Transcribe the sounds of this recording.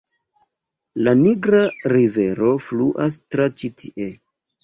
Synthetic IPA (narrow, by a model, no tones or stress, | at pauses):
laniɡɾaɾive̞ɾo̞fluʔas̬tɾat͡ʃitʰiʔe̞